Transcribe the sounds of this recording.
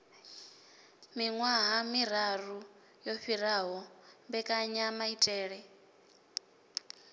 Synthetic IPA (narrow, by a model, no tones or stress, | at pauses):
miŋwaɦamiɾ̤aru | jɔɸiɾaɦɔmbɛkʼaɲamaitʼɛːɺɛ